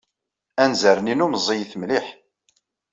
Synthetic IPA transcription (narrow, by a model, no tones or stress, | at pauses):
ænzəɾninumzˤijθmliħ